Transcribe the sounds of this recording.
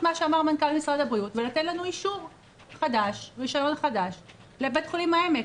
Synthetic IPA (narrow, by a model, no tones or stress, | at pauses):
maʃeamaʁmankalmisʁad̪abʁiutvelat̪etlanuiʃuʁ | χad̪aʃʁiʃojo̞nχad̪aʃ | lebet̪χulimhaeme